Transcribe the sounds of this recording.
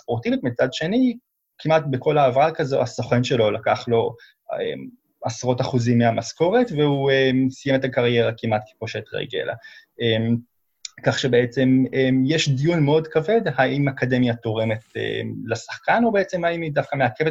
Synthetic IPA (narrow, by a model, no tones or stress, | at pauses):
ot̪ivitmit͡sad̪ʃe̞ni | kʰimat̚beko̞laːvalkazo̰asoχenʃe̞lo̞lakaχlo̞ | ḛm | asʁo̞taχuzimːeamasko̞ʁe̞tveuemsijemetakaʁje̞ʁakimʔatki̥poʃet̪ʁḛɡḛla̰em | kaχʃebeet͡se̞memjeʃd̪ijunmeo̞dkave̞d̪haʔimakade̞mjat̪o̞ʁe̞me̞tḛmlasḁχkano̞beet͡se̞maimidafkameakeve